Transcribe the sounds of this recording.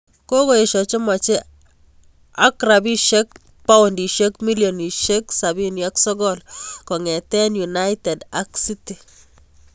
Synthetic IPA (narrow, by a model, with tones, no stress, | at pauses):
ko˦ko˦e˨ʃɔ˨t͡ʃo˦ma˨t͡ʃe˦ | a˦kɾabi˦ʃe˦k̚ | pa˦undi˨ʃe˦kmi˦ljɔ˨ni˨ʃe˦ksa˨bi˦nja˦ksɔ˦ɡɔ˦lkɔ˨ŋɛ˨tɛ˦nju˨najte˨da˦ksi˦ti˨